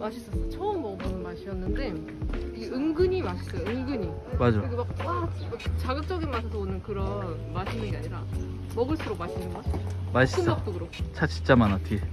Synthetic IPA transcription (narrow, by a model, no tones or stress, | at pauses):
maɕʰis͈ʌs͈ʌt͡ɕʰʌɯmːʌɡɯmaɕʰiʌnːɯnde̞ | iɡeɯŋɡɯɲimaɕʰi̥s͈ʌjɯŋɡɯɲi | mad͡ʑakiɡemak̚wat͡ɕaɡɯp̚t͡ɕ͈ʌɡinmasʰʌs̬ʰʌonɯnkɯɾʌnmaɕʰindɯɡeaɲiɾa | mʌɡɯɭs͈ʰuɾok̚maɕʰinɯnɡʌɕʰisʌmaɕiɯnʌk̚t͈oɡɯɾok̚t͡ɕʰat͡ɕʰint͡ɕ͈amanatʰi